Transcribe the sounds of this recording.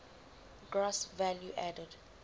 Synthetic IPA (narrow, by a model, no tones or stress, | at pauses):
ɡɹasvɛljuʔɛdɛd